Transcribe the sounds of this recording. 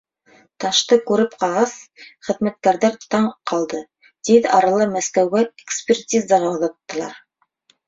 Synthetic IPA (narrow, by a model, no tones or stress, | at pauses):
t̪ɑʃt̪ɤkʉɾɘpqɑlʁɑsχɘ̆ðmæt̪̚kæɾðæɾt̪ɑɴqʰɑlˠd̪ɤ | t̪iðɑɾɑlˠɤmæskæwɡæekspʲertʲizɑʁɑwðɑt̪ːɤ̆lˠɑ̰ɾ